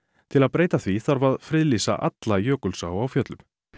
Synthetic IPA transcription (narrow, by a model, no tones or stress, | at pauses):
t̪ʰɪlaðpɾeːjt̪aθviθaɾvaðfɾɪðlisa̰ʔa̰t̪lajœːkʏlsaawfjœt̪lʏm̥